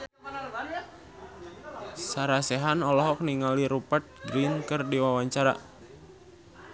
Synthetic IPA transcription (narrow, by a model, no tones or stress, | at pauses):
saɾasɛɦanɔlɔɦɔk̚niŋaliɾupət̪̚ɡɾinkɨrdiwawaɲt͡ʃaɾa̰